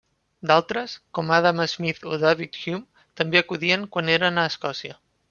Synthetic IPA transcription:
d̪alˠt̪ɾəskɔmaðaməzmiθoðaβit̪xjum | t̪əmbeəkuðiəŋkwaneɾənəːskɔsiə

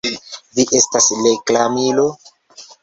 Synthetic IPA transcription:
viʔe̞stasleklamilo

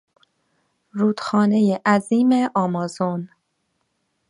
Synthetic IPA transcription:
ɾuːd̪̥xɒːne̞jeʔæziːmeʔɒːmɒːzon

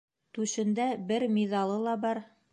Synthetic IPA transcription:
t̪ʉʃɘ̆nd̪æbɘɾmʲiðɑlˠɤlˠɑbɑɾ

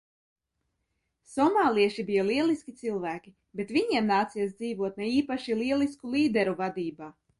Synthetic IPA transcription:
sɔmaːlˠiɛʃibijaliɛlˠiskʲit̪silˠvæːkʲi | bet̪viɲiɛmnaːt̪sijas̬d̪ziːvuɔt̪nɛiːpaʃiliɛlˠiskulˠiːd̪ɛɾuvad̪iːbaː

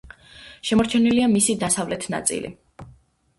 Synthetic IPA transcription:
ʃɛmɔɾt͡ʃʰɛniliamisid̪asavlɛt̪ʰna̰t̪sʼḭlḭ

